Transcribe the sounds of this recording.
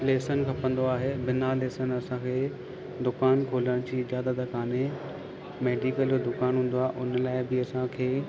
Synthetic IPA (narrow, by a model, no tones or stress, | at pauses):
leːsənkʰɐpə̃n̆d̪oaːɦeːbɪnaleːsənɐsãkʰeː | d̪ʊkaːnkʰoːləɽ̃d͡ʑiːɪd͡ʑaːd̪ət̪kaːne | meːɖikəld͡ʑod̪ʊkaːnɦũːn̆d̪oaːeʔʊnlaːɪbɪɐsãkʰeː